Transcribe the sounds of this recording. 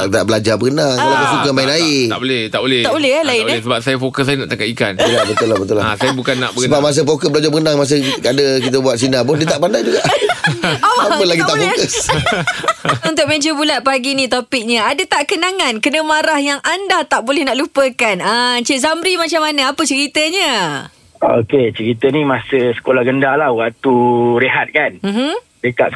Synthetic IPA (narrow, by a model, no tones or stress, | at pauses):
t̪a̰ʔbəlad͡ʒabəkənaŋkalabəsukəmainaia̰ʔbolɛht̪a̰ʔbolɛhtaʔbolɛhalaibɛsəbap̚sajafokəsajnaʔt̪akaika̰nd͡ʒəlabət̪ʊlabət̪ʊlasajabukanːa̰ʔbəkəbaʔmas̬əfokəsblad͡ʒabəkənaŋmas̬əkadəkit̪əbuat̪sinapʊndiət̪aʔpandajd͡ʒuɡaʔ | aapəlaɡit̪aʔfokəs | unt̪ʊk̚med͡ʒəbulat̪̚paɡinĩt̪opɪk̚ɲəadət̪aʔkənaŋankənəmaɾahjaŋʔandaht̪aʔbolɛhnaʔlupəkanət͡ʃəʔzamɾimat͡ʃamanəapət͡ʃəɾit̪əɲə | o̰ket͡ʃəɾit̪ənimasəsə̥kolahɡəndalahwaʔt̪uɾeɦat̪̚kanm̩ɦ̩ | dəka̰t̪̚